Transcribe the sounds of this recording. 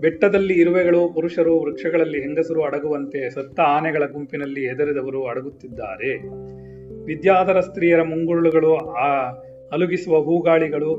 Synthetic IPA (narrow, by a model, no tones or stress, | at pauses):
bɛʈːɐd̪ɐlːiːɾuʋɛɡɐɭupuɾuʂɐɾuʋɾɐkʂɐɡɐɭɐlːiɦend̪ɐsɐɾuɐɽɐɡuʋɐnt̪e̞sɐt̪ːɐaːnɛɡɐɭɐɡumpinɐlːiɦɛd̪ɐɾid̪ɐʋɐɾuɐɽɐɡut̪ːid̪ːa̰ːɾe̞ | ʋid̪jaːd̪ʱɐɾɐst̪ɾiːjɐɾɐmuŋɡuɾɭuɡɐɭu | ɐluɡisuʋɐɦuːɡaːɭiɡɐɭu